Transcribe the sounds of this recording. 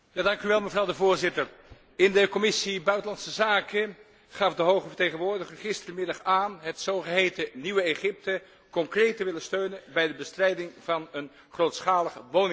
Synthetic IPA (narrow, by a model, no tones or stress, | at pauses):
jaːdɑŋkyʋɛlˠməvrɑwdəvʊːɹzɪtər | ɪndəkɔmɪsibœɥtəlɑnsəzaːkə | χɑfdəɦowχəvəɹtejχənʋʊːɹdəχəχɪstərəmɪdɑχaːnɦətsowχəɦejtəniʋəeχɪp̚tə | kɔŋkrejtəʋɪlənstøɥnənbɛjdəbəstrɛjdɪŋvɑnən | χrowtsχaːləχəʋownɪŋ